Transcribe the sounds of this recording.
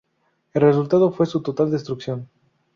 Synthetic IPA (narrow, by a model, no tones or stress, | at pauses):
elres̬ult̪að̞ofwe̞sut̪ot̪ald̪e̞st̪ɾukθjon